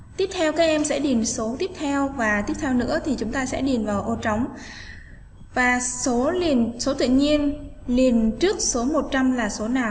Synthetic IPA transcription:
t̪i˦˥əp̚t̪ʰɛ˧wkaː˦˥k̚ʔɛ˧msɛ̰˧˥ɗi˨˩ənso˨˦t̪i˦˥əp̚t̪ʰɛ˧wvaː˨˩t̪i˦˥əp̚t̪ʰɛ˧wnɨ̰˧˥ət̪ʰi˨˩t͡ɕʊ˨˦ŋ͡mt̪aː˧sɛ̰˧˥ɗi˨˩nvaː˨˩wʔo˧˩t͡ɕa˨˦wŋ͡m | vaː˨˩so˨˦li˨˩ənso˨˦t̪ɨ̰˧˨ɲi˧ənli˨˩ənt͡ɕɨ˦˥ək̚so˨˦mo˨˩t̚t͡ɕa˧mlaː˨˩so˨˦naː˨˩w

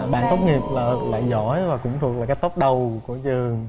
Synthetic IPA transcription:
ɓa̰ː˧˨nt̪o˦˥wk͡p̚ŋi˨˩əp̚laː˨˩la̰ː˧˨jzɔ˧˥˦jvaː˨˩kʊ̰˧˥ŋ͡mt̪ʰək̚la˨˩kːaː˦˥jt̪o˦˥k͡p̚ɗə˨˩wku˧˩˦ət͡ɕɨ˨˩əŋ

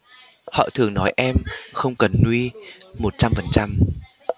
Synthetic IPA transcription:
hɔ̰˧˨t̪ʰɨ˨˩əŋnɔ˨˦jʔɛ˧mxə˧wŋ͡mkə˨˩nːwi˧mo˨˩t̚t͡ɕa˧mfə˨˩nt͡ɕa˧m

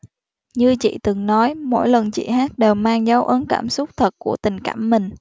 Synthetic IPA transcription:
ɲɨ˧t͡ɕḭ˧˨t̪ɨ˨˩ŋnɔ˨˦jmo̰˧˥jlə˨˩nt͡ɕḭ˧˨haː˦˥t̚ɗe˨˩wmaː˧ŋzaː˨˦wʔə˨˦nkaː˧˩msʊ˦˥k͡p̚t̪ʰə˨˩t̚ku˧˩ət̪ï˨˩ŋ̟kaː˧˩mːï˨˩ŋ̟

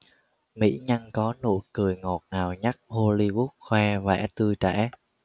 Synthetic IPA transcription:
mḭ˧˥ɲa˧ŋkɔ˨˦no̰˧˥jkɨ˨˩əjŋo˨˩t̚ŋaː˨˩wɲa˦˥k̚ho˧li˧vu˦˥k̚xwɛ˧vɛ̰ː˧˥t̪ɨ˧t͡ɕɛ̰˧˥

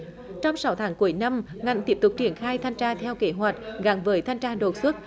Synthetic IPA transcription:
t͡ɕɔ˧wŋ͡msa˨˦wt̪ʰaː˨˦ŋku˧˩əjna˧mŋa̰˨˩jt̪i˦˥əp̚t̪ʊ˨˩k͡p̚t͡ɕi˧˩ənxaː˧jt̪ʰa˧jŋ̟t͡ɕaː˧t̪ʰɛ˧wke˧˨˦ɦwa˨˩jk̟̚ɣa˨˦ŋvəː˨˦jt̪ʰa˧jŋ̟t͡ɕaː˧ɗo˨˩t̚swə˦˥t̚

